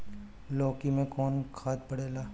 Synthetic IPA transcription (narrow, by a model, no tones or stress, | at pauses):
lɔːkimẽkɔːnkʰaːt̪̚pɐɽeːlaː